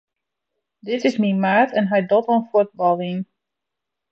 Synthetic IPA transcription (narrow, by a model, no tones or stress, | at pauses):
dɪtɪsminmaːtʰɛnɦajdotɔnfut̚bɑlˠin